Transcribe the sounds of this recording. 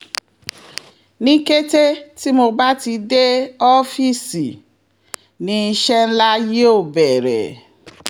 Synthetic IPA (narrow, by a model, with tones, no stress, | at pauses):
nĩ˦ke˦te˦ti˦mo˧ba˦ti˧de˦ɔ˦fi˦˨si˨ | nĩ˨˦i˧ʃɛ˦n̩˦la˦je˦o˦˨bɛ˨ɾɛ̰˨